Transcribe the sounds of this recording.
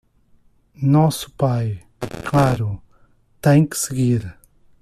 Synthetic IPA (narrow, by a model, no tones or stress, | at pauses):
nɔsupaj | kʰlaɾu | t̪ɛŋksɪɡiɾ